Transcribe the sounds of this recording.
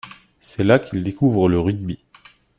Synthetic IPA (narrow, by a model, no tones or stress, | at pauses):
sɛlakild̪ekuvʁələʁid̪̚bi